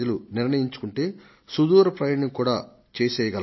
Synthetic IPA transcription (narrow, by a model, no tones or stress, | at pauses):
ɐluniɾɳɐjiɲt͡ʃu̥kuɳʈe̞ː | sud̪uːɾɐpɾɐjɐɳiŋkuːɽaː | t͡ʃeːsɛːjɐɡɐl